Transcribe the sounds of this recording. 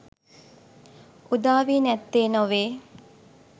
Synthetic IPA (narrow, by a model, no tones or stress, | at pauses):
ud̪aːʋiːnɛt̪ːeːnoʋeː